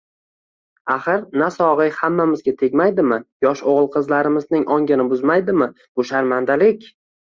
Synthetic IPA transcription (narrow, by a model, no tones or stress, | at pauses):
aχɨɾnasɒʁɨjhamːamɪzɡʲat̪ʰe̞ɡʲmajd̪ɪmɪjɒʃoʁɨlˠqʰɨzlaɾɪmɪznɪŋʔɒŋɡʲɪnɪbʊzmajd̪ɪmɪ | bʊʃaɾmand̪alɪkʲ